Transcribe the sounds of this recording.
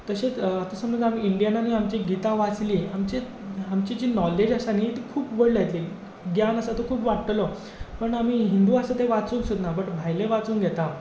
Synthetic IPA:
t̪əɕet͡st̪əsəmə̃d͡zam̤iiɳɖijananuiamt͡ɕiɡit̪aʋat͡sliːamt͡ɕi | amt͡ɕid͡ʑiːnɔled͡ʑəsanit̪ikʰuːpbəɽlajt̪li | ɡjanəsat̪okʰuːpʋaʈʈlo | pəɳamiːɦind̪uːasət̪eʋat͡suːnsud̪nabəʈbʱajleʋat͡suːŋɡʱet̪a

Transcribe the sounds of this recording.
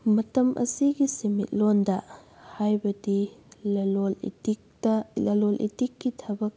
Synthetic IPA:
mɐtɐmʔɐ̰siɡisemḭt̚londɐ | hajbɐdi | l | lɐlolʔḭtikːitʰɐbɐk̚

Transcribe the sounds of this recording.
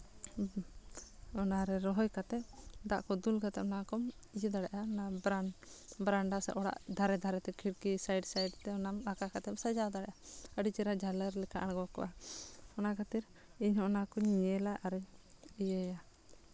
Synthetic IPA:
ɔnaɾɛɾɔɦɔjkat̪ɛpd̪aʔkɔd̪ulɡat̪ɛʔɔnakɔmid͡ʒid̪aɽɛʔaɔnabɾabɾaɳɖasɛ̰ʔɔɽa̰ʔd̪ʱaɾɛd̪ʱaɾɛt̪ɛkʰiɽkisajɖsajɖt̪ɛɔnamakakat̪ɛpsad͡ʒawd̪aɽɛʔaəɖit͡ʃiɾad͡ʒaləɾlɛkaʔanɡɔkɔ̰ʔahɔnakat̪iɾ | iɲhɔʔnakɔɲiɛlaʔaɾɛijəja

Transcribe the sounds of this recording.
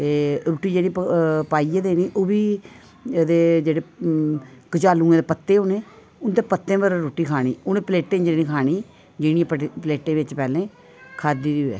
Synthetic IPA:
t̪eːɾoːʈːiːd͡ʒeːɽiːpaːiːed̪eːniːʔoːʋiː | d̪eːd͡ʒeːɽeː | kət͡ʃaːlũːẽːd̪eːpət̪ːeːoːnẽː | ʊnd̪eːpət̪ːẽːʋəɾɾoːʈiːkʰaːɽ̃iːʊnẽːpleːʈːẽːd͡ʒenĩːkʰaːñiː | d͡ʒɪɽijãppleːʈẽːʋɪt͡ʃpɛːlẽː | kʰaːd̪iːd̪iːɛ̰ː

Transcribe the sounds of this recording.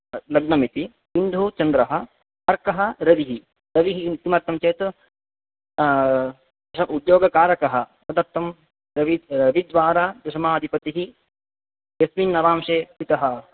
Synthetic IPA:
lɐɡnɐmit̪i | sind̪ʱut͡ʃɐnd̪ɾɐɦɐ̆ | ɐɾkɐɦɐ̆ɾɐʋiɦi | ɾɐʋiɦit̪imɐɾt̪ʰːɐmt͡ʃeːt̪ | ɐʃɐud̪joːɡɐkaːɾɐkɐɦɐ̆sɐd̪ɐɾt̪ʰːɐm | ɾɐʋiɾɐʋid̪ʋaːɾaːd̪ɐʃɐmaːɐd̪ʱipɐt̪iɦi | jɐsʋinːɐʋaːmʂeːpit̪ɐɦɐ

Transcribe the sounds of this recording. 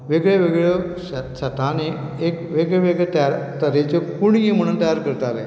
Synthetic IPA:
ʋeɡɭeʋeɡɭoɕɕət̪ane | ekʋeɡɭeʋeɡɭet̪əjaɾt̪əɾet͡ɕekuɳɦim̤əɽ̃unt̪əjaɾkəɾt̪ale

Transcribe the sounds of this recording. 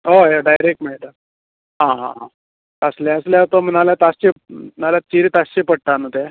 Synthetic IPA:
ɦoeɖajɾek̚ʈmaɽit̪a | ɦãɦã̰ɦã̰ | əsljaəsljat̪om̤ənaljat̪ast͡ɕenalat͡ɕiɾit̪ast͡ɕepəɽ̚ʈ̪anot̪e

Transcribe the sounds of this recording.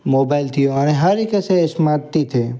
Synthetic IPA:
moːbaːɪlt̪ʰijõɐnẽɦɐɾikɐseɪsmaːɾt̪it̪ʰe

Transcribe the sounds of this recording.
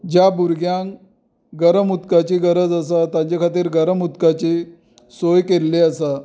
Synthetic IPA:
d͡ʑjabuɾɡjãŋ | ɡəɾəmut̪kat͡ɕiːɡəɾəd͡zəsat̪jãt͡ɕakʰat̪̬iːɾɡəɾəmut̪kat͡ɕe | sojkelːeəsa

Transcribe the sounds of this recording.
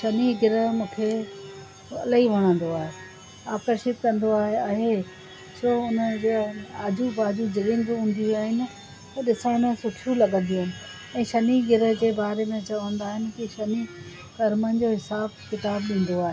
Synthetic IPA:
ʃɐniɡɪɾəmũːkʰe | ɐlaɦiʋ̤ɐɽ̃ə̃nd̪oaːɦe | aːkəɾʃɪt̪kɐ̃nd̪oaːɦeɐɦe | soːʊnəd͡ʑɐd͡ʑubaːd͡ʑud͡ʑɐlɪ̃nɡɦũːn̆d̪iuaːɦɪnɪ̆ | t̪ɐɗɪsə̃nəsʊʈʰjũlɐɠə̃n̆d̪ijũnɪ̆ | ɛ̃ːʃɐniɡɪɾə̆d͡ʑeːbaːɾemẽt͡ɕɐʋə̃nd̪aːɦɪnɪ̆kiʃɐni | kɐɾmənɪ̆d͡ʑoɦɪsaːb̚kɪt̪aːbɗĩːn̆d̪oaːɦeː

